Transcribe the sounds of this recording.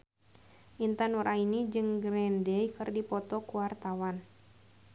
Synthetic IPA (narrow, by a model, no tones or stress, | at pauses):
ʔint̪ənuɾʔainid͡ʒɨŋɡɾɛndɛjkɨrdipɔt̪ɔkuwart̪awan